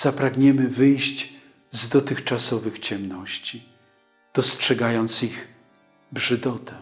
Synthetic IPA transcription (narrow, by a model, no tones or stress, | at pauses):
z̥apɾaɡɲɛmɘvɘjɕd͡ʑ | zd̪ɔt̪ɘxt͡ʂasɔvɘxt͡ɕɛmnɔɕt͡ɕi | d̪̥ɔstʂɛɡajɔnt̪siɣ | bʐɘd̪ɔt̪ʰɛ